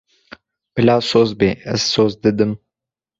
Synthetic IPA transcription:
bɨlɑːsoːzbeːɛz̥soːzd̪ɨd̪ɨm

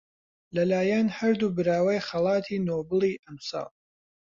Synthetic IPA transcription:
lɐlaːjɛnhɐɾd̪ubɨɾaːwɐjχɐlˠɑːt̪ʰiːnoːbɨlˠiːʔɐmsɑ̰ːlˠ

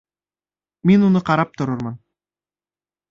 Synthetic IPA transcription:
minunuqɑɾɑp̚t̪ŏɾuɾmɤn

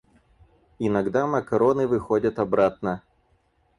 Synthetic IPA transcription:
inɐɡd̪amɐkɐɾɔnɨvɨxɔdʲət̪ɐbɾat̪̚nə

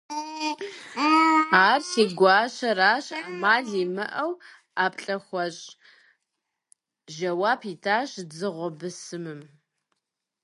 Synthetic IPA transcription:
aːrsiːɡʷɑːɕɐraːɕamaːɮiːmɐʔɐw | aːpɬʼɐxʷɔɕʼ | ʒɐwaːpʰiːtʰaːɕzɨʁʷɔbɨsɨmɨm

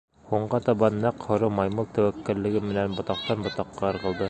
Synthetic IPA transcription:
huɴɢɑt̪ɑβɑnːæqhŏɾɤmɑjmɤlˠt̪æwækːɘ̆lːɘ̆ɡɘmɘ̆nænbŏt̪ɑq̚t̪ɑnbŏt̪ɑqːɑɤ̆ɾʁɤ̆lˠd̪ɤ

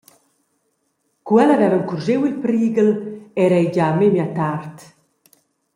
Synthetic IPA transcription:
kwɛlavɛvəŋkurʒewilpɾiːɡəlɛɾɛjɟamemjat̪art̪

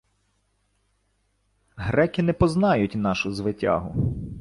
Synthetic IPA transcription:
ɦɾɛkʲɪnɛpɔznɑjʊtʲnɑʃʊzʋɪtʲɑ̰ɦʊ

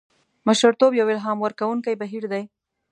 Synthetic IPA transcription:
maʃaɾt̪objawɪlɦɑmwaɾkawuŋkajbaɦiɾd̪aj

